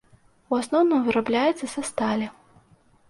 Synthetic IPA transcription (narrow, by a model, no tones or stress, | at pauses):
uasnɔwnɨmvɨɾablʲajɛt̪sːɐsʲɐst̪alʲɛ